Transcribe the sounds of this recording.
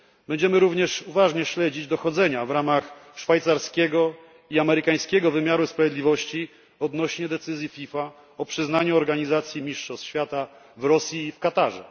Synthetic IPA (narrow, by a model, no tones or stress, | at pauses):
bɛɲd͡ʑɛmɘɾuvɲɛʂuvaʐɲɛɕlɛd͡ʑid͡ʑd̪ɔxɔd̪zɛɲavɾamaxʂfajt̪saɾskʲɛɡɔ | iamɛɾɘkaj̃skʲɛɡɔvɘmʲjaɾuspɾavʲjɛd̪lʲivɔɕt͡ɕi | ɔd̪nɔɕɲɛd̪ɛt̪sɘzʲjifʲifa | ɔpʂɘznaɲuɔɾɡaɲizat̪sʲjimʲiʂʂɔst̪ɕfʲjat̪a | vɾɔsʲjiːfkat̪aʐɛ̰